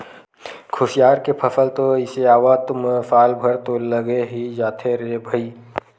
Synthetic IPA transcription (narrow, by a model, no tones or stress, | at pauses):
kʰʊsjaːɾkepʰɐsəlt̪oɪseaːwat̪ʊmsaːlbʱɐɾt̪oləɡeɦid͡ʒaːt̪ʰeɾebʱəiː